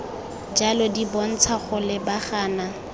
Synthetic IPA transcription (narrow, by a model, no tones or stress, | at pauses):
d͡ʒalɔdibɔn̩t͡sʰaχʊlɪbaχaːna